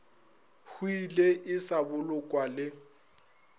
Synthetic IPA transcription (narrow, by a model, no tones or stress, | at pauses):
huileʔɪsabʊlʊkʼwalɪ